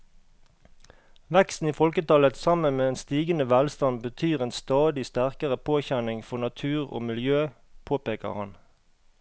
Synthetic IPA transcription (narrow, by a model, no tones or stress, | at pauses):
ʋɛkst̪n̩iːfɔlkət̪ɑlət̪sɑmənmeːeːnst̪iːɡənəʋælst̪ɑnbət̪ʰyːʁeːnst̪ɑːd̪ɪst̪æʁkəʁəpʰoːçænɪŋfɔnɑt̪ʰʉːʁo̰ːmɪljøːpʰoːpeːkə̰ʁhɑn